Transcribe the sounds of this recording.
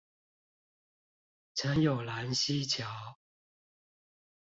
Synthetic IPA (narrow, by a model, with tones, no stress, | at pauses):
t͡sʰə˧˥njo˨˩ʊla˧˦˥nɕi˦t͡ɕʰjɑ˨˥˦ʊ